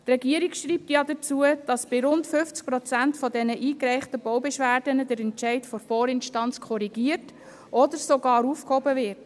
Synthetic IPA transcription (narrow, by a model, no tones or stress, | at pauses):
trɛɡiəɾikʃɾiːp̚tjɑdət͡suəd̥ɑsb̥ɪɾʊntfʏft͡sk̚pɾɔt͡sæntfɔdɛnəʔiːkɾɛɪχtəbɔwbɛʃʋæːrd̥ənədɛɾɛntt͡ʃɛɪtfɔfɔːɾɪnʃtɑnt͡skʰχɔɾiɡ̥iərt | ʔɔdəɾsoɡɑːɾuːfkhɔbəvɪɾt